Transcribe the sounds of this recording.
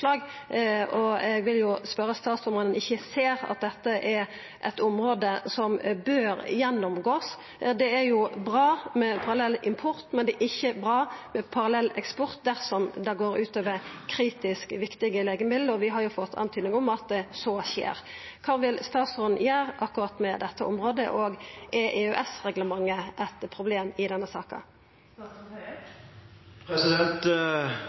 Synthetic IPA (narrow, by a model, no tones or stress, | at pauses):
lɑːɡ | ɔɛɡʋɪljʊspœɾəst̪ɑːt̪sɔmʁoːd̪ənɪçːəseːɾɑ̰t̪̚d̪ɛt̪ːəʔɛɾ | ʔɛt̪ʊmɾoːd̪əsɔmbøːɾjɛnːʊmɡoːs | d̪ɛæɾjʊbɾɑːmɛpʰɑɾɑlɛlːɪmpʰʊɾt̪mɛnd̪ɛʔɪçːəbɾɑːmɛpʰɑʁɑlɛlːɛkspɔɾt̪̚d̪æɾsɔmd̪ɑɡoːɾʉːt̪øːʋəɾkʰɾiːt̪ɪskʋɪkt̪ɪɡəleːɡəmɪd̪d̪əɔʋɪɦɑɾjʊfɔt̪ʰːɑ̰nt̪ʰyːd̪nɪŋɔmɑt̪̚d̪ɛsoːɕḛːʁ | kʰɑːʋɪlst̪ɑːt̪sɔnjæːʁʔɑkːʊʁɑt̪ːmɛd̪ɛt̪ːəʔɔ̰mʁoːd̪ə̰ʔoːɡɛʔɛʉʔɛsʁɛɡləmɑŋːəʔɛt̪pʰʁʊbleːmɪd̪ɛnːəsɑːkɑ̰ | pʰɾɛsɪd̪ɛnt̪